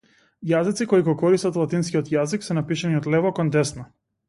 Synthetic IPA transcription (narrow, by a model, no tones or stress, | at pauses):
jazit̪sikɔiɡɔkɔɾist̪at̪lˠat̪inskijɔt̪jaziksɛnapiʃaniɔt̪lɛvɔkɔnd̪ɛsna